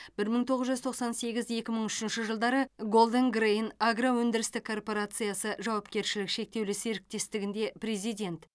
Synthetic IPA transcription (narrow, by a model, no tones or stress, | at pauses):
bɪɾməɴt̪ʰo̞ʁəzʒʏzt̪ʰo̞qsɑnse̞ɡʲɪzje̞kʲɪməɴʏʃɪnʃɪʒəlˠd̪ɑɾəɡo̞lˠd̪əŋɡrejnaɡrawɵnd̪ɪɾɪst̪ɪkʰːo̞rpoɾat̪sɨjasəʒɑwɑpkʲe̞ɾʃɪlɪkʃe̞k̚t̪e̞wlɪseɾɪk̚t̪e̞st̪ɪɡʲɪnd̪e̞pɾe̞zijd̪ʲe̞nt̪